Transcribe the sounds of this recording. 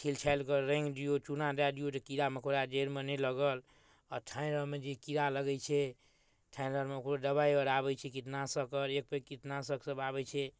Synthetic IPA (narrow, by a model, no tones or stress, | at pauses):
kʰilt͡ʃʰalkəɾɾẽŋɡɖijot͡ʃunad̪ad̪ijot̪ɔkiɾamekʰoɾad͡ʒeɾmenɛləɡəl | ɔɾʈʰanəɾmed͡ʒekiɾaləɡɛjt͡ʃʰɛ | ʈʰanəɾmeokɾod̪əbaiəɾabɛjt͡ʃʰɛkit̪nasəkəɾek̚pekit̪nasəksəbabɛt͡ʃʰɛ